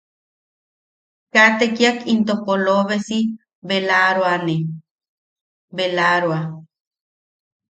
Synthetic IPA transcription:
kat̪ekiakint̪ohpoloβesi | belaɾwane | belaɾwa

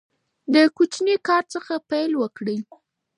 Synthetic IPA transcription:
d̪əkut͡ʃnikɑɾt͡səxapajlwəkɽəj

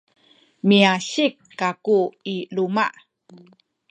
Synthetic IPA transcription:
miaɕikːakuiluma̰ʔ

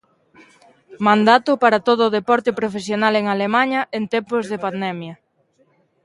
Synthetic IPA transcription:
mãnd̪at̪ʊpaɾɐt̪oð̞ʊːðepɔɾt̪epɾofesjonaleŋalemaɲɐʔent̪ɛmpʊzðepand̪ɛmjɐ

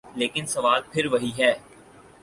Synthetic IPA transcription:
leːkɪnsɐʋaːl̚pʰɪɾʋɐɦiɦɛː

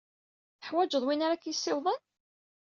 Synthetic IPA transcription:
θəħwæd͡ʒəðˤwinaɾakjəsːɪwðˤən

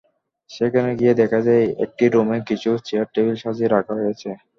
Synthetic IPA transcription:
ʃekʰaneɡied̪ɛkʰad͡ʑajḛk̚ʈiɾomekit͡ɕʰut͡ɕeaɾ̚ʈːebilʃad͡ʑʱiɾakʰaɦojet͡ɕʰe

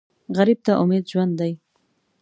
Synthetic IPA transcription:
ɣaɾib̚t̪aʔʊmed̪ʒwand̪ːaj

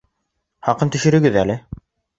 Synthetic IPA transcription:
χɑqɤnt̪ɵ̆ʃɘ̆ɾɘ̆ɡɘðælɘ

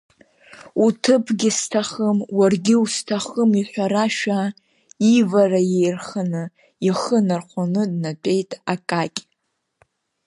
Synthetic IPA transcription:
utʰɨpʰɡʲɪstʰaχəmwarɡʲɪustʰaχəmiħʷᶣaɾaʃᶣa | ivarajejrχanɨ | iχənarχʷʰanɨdnat͡pʷʼe̞jtʼakʼakʲʼ

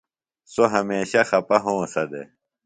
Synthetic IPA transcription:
soɦɐmeːɕɐxɐpɐɦõːsɐd̪ḛ

